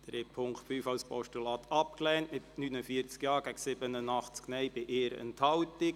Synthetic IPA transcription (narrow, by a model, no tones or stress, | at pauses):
d̥ɾeːpʰʊŋkχtfyːfɑwspɔ̰ʃtulɑːtʰɑp̚klɛːntmɪtnynəfiəɾt͡skjɑːɡ̥æɡsɪbənənɑχt͡sknɛjbɪʔeːɾə̰ntʰhɑwtɪk